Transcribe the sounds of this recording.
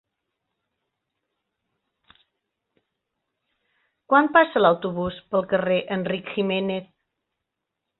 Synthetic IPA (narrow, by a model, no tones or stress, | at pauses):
kwanpasəlawt̪uβuspəlˠkəreʔənrikximeneθ